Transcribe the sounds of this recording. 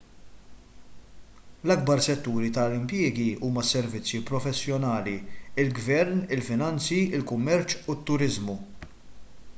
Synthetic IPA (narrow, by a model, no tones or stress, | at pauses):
lɐɡ̚bɐɾsɛt̪ːuːɾit̪ɐlɪmpjɪːɡiuːmɐsːɛɾvɪt͡sːjipɾɔfɛsːjɔnɐːliɪlɡvɛɾnɪlfɪnɐnt͡siɪlkʊmːɛɾt͡ʃut̪ːʊɾɪzmu